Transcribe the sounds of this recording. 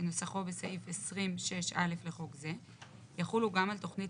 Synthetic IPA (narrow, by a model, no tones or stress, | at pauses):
eno̞saχo̞besaʔifesʁimʃe̞ʃa̰le̞fleχo̞kze | jaχuluɡamalto̞χni